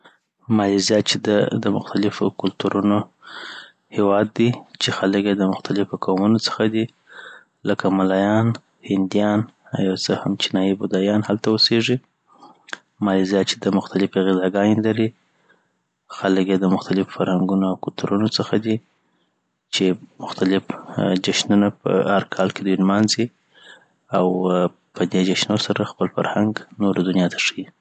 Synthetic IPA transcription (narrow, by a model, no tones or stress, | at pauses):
mɑjizijɑt̪̚t͡ʃed̪ad̪əmʊxt̪alɪfo̰kʊlt̪uɾʔuno | hewɑd̪ːit͡ʃexaləkjed̪əmʊxt̪alɪfokawmunot͡sə̥xad̪i | ləkamalɑjɑn | hɪnd̪ijɑna̰wjawt͡səhamt͡ʃinɑjibʊd̪ɑjɑnhalt̪awəseʐi | mɑlizjɑt͡ʃe̥d̪əmʊxt̪alɪfiɣɪzɑɡɑnelaɾi | xaləkjed̪əmʊxt̪alɪffaɾhaŋɡunoawkʊt̪uɾunot͡səxad̪i | t͡ʃemʊxt̪alɪfd͡ʒaʃnunapə̰haɾkʰɑlked̪wilmɑnzi | aw | pəd̪ed͡ʒaʃnosaɾaxpəlfa̰ɾhaŋɡnoɾd̪unjɑt̪ʰḁʂəji